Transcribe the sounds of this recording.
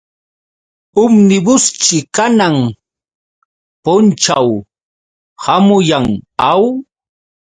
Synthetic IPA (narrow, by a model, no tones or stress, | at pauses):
ʊmnɪbʊst͡ʃɪkanaŋ | pʊnt͡ʃaw | hamʊjaŋaw